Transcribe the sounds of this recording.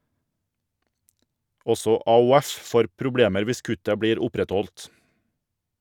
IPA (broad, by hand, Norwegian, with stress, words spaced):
ˈɔsɔ ɑʊˈɛf ˈfoːɾ pɾʊˈbɽeːməɾ ˈʋɪs ˈkʉtə ˈbɽiːɾ ˈʊpɾɛˌtɔlt